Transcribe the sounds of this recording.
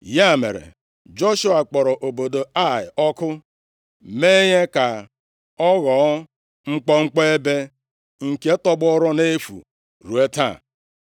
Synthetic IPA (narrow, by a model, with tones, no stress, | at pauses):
ja˦˨mḛ˨ɾḛ˨ | d͡ʒo˦ʃu˦a˨k͡pɔ˨ɾɔ˨ʔo˨bo˨do˨a˦˨ɪ̰˨ɔ˦kʊ˦ | me˦ɲe˦ka˨ | ɔ˦ɣɔ˨˦ | ŋ̩˦k͡pɔ˦ŋ͡m̩˦k͡pɔ˦e˦be˦ | ŋ̩˨ke˦tɔ˦bʊ˦ɔ˦ɾɔ˦ne˦fṵ˨ | ɾu˨e˦ta̰˦˨